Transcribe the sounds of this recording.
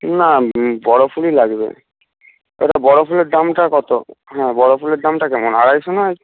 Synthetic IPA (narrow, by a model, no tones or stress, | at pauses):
nabɔɽofʰulilaɡbḛ | ḛʈabɔɽofuledamʈakɔt̪oɦɛ̃bɔɽopʰuledamʈakɛmonaɹajsonaj